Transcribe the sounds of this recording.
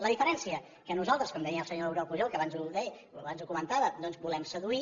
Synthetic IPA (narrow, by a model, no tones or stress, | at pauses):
ləðifəɾɛnsiə | kənuzalˠt̪ɾəskɔmd̪əiəlˠsəɲoəwɾɔlˠpuʒɔlkəβanzuðɛ | əβanzukumənt̪aβəd̪ɔnzbulɛmsəðui